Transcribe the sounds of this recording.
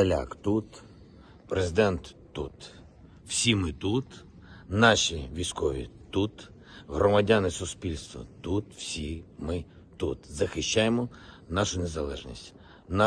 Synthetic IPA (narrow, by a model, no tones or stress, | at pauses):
ɐlʲa̰kt̪ut̪ | pɾezɪd̪ɛnt̪ːut̪ | w̥sʲimɪt̪ut̪ | nɑʃʲiʋʲijsʲkɔʋʲḭt̪ut̪ | ɦɾɔmɐdʲanɪsʊspʲilʲst̪ʋɔ̰t̪ut̪w̥sʲimɪ | t̪ut̪zɐxɪʃt͡ʃːajemɔ | nɑʃʊnezɐlˠɛ̰ʒnʲḭsʲtʲ | nɑ